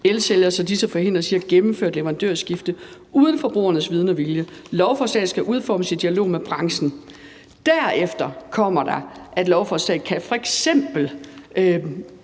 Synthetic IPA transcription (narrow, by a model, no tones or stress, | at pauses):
elseljɐsɒ̽d̥isəfɒ̽ɦe̝n̰d̥ʁɐsiɐɡ̥emm̩føɐd̥leʋɐʁɑ̈nd̥ø̰ɐ̰sɡ̥ifd̥ə | uːðˠən̩fɒ̽b̥ʁṵːɐnəsʋið̞ˠnɒʋiljəlɒʊfɒ̽sd̥ɛ̰ːsɡ̥æʔuð̞ˠfɒ̰ːməsid̥iælo̝̰ːmeb̥ʁɑ̈ŋsn̩ | d̥æɐ̰efd̥ɐkʰɒ̽m̰ɐd̥ɑ̈ʔæd̥lɒʊfɒsɛ̰ɪkʰæfɒ̽eɡ̥sem̰b̥l̩